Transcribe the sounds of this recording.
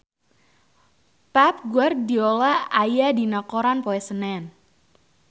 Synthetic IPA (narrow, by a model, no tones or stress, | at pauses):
pap̚ɡuardiolaajadinakoɾanpoɛsənɛn